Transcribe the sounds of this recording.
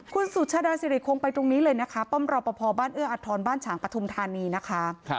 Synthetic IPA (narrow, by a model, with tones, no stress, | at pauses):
kʰu˧nsu˨˩t͡ɕʰaː˧daː˧si˨˧˦ɾi˨˩kʰo˧ŋpa˧jt̪ɾo˧ŋniː˦˥lɤː˧jna˦˥kʰa˦˥pɔ˥˩mɾɔː˧pɔː˧pʰɔː˧baː˥˩nʔɯ˥˩əʔa˨˩t̪ʰːɔː˧nbaː˥˩nt͡ɕʰaː˩˦ŋpɾa˧t̪ʰu˧mt̪ʰaː˧niː˧na˦˥kʰa˦˥